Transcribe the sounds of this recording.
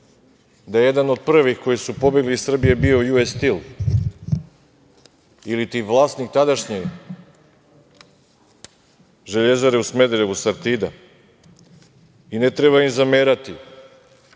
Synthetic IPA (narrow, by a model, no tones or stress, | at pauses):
d̪ajejed̪ano̞d̪̚pr̩ʋixko̞jisupo̞be̞ɡlisr̩bijebio̞juest̪il | ilit̪iʋlˠaːst̪nik̚t̪ad̪aʃɲi | ʒe̞ʎe̞zaɾeusme̞d̪ɾeusaɾt̪iːd̪a̰ | inet̪ɾe̞βaimzameɾat̪i